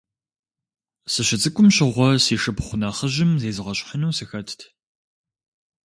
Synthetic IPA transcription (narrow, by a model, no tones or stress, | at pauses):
sɨɕɪt͡sʼɨkʷʼʊmɕɪʁʷɔsiːʂɨpχʷʊnaːχəʑɪmzeːzɨʁɐɕʷʼħənɐwsɨxɐtʰtʰ